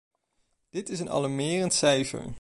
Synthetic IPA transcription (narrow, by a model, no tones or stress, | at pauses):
d̥ɪtɪsənɑ̰lɑɹmɪːrəntsɛjfə̰ɹ